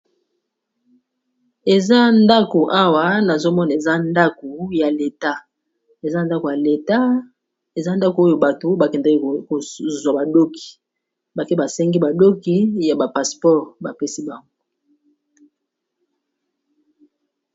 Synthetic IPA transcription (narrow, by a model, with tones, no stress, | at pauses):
e˨za˦nda˦ko˨ʔa˦wa˨na˨zo˦mɔ˦na˨e˨za˦nda˦ko˨ja˨le˨ta˦ | e˨za˦nda˦ko˨ja˨le˨ta˦ | e˨za˦nda˦ko˨o˦jo˨ba˨to˨ba˨kɛ˨nda˨ki˦˨ko˨zwa˨ba˨do˦ki̥˨ | ba˨ke˦ba˨sɛ˦ŋɡi˦ba˨do˦ki˦ja˨ba˨pa˨spɔ˦ʁba˨pe˦si˦ba˨ŋɡo˦